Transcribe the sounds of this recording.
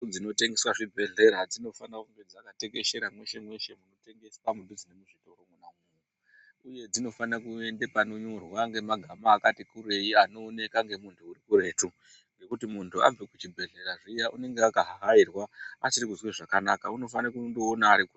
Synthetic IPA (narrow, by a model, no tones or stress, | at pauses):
d͡zino̞te̞ŋɡe̞swaʐibʱe̞ɮe̞ɾad͡zino̞fanaumbid͡zakate̞kɡe̞ʃe̞ɾamwe̞ʃe̞mwe̞ʃe̞muno̞te̞ŋɡe̞spamudʱid͡zinemuʐitoromwenamuju | uje̞d͡zino̞fanakue̞ndepano̞ɲo̞rwaŋɡe̞maɡʱamaːkatikure̞jiano̞ːne̞kaŋɡe̞muntʰuːrikuɾe̞ːtu | ŋɡe̞kutimuntʰua̰b͡vekut͡ʃibʱe̞ɮe̞ɾaʐijaʔune̞ŋɡeakaɦaɦairwaasiɾikuzweʐakanakauno̞fanakundoːnaːɾikur